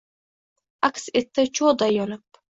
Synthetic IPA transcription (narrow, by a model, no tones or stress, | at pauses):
akʲset̪ːɪt͡ʃʰod̪ajɒnɪp̚